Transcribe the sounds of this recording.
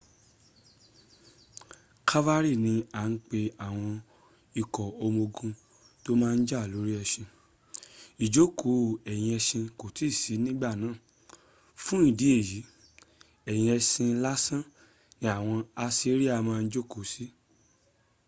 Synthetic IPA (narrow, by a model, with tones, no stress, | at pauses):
kʰa˦va˦ɾi˦˨nĩ˧a˨˦n̩˦k͡pe˧a˨w̃ɔ̃˧ | i˨kɔ˨o˧mo˧ɡũ˧ | to˦mãː˦˧n̩˦d͡ʒa˦˨lo˨˦ɾi˦ɛ˧ʃĩ˧ | i˨d͡ʒo˦kʰo˨˦˨ɛ˨j̃ĩ˧ɛ˧ʃĩ˧ko˨ti˨˦˨si˨˦nĩ˦ɡ͡ba˦˨nãː˨˦˨ | fũ˦ĩ˦˨di˨˦e˦˨ji˨˦ | ɛ˨j̃ĩ˧ɛ˧sĩ˧la˦sã˦˨ | nĩ˧˦a˨w̃ɔ̃˧a˧si˦ɾi˦a˦˨mãː˦˧˦d͡ʒo˦ko˨˦si˦